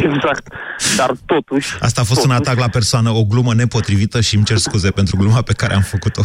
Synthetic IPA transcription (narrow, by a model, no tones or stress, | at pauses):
eɡzakt̪d̪art̪ot̪uʃʲa̰st̪aːfo̞st̪unat̪aklape̞rsoanəo̞ɡluməne̞po̞t̪ɾivit̪əʃimt͡ʃe̞rskuzepe̞nt̪ɾuɡlumape̞kaɾḛamfəkut̪o̞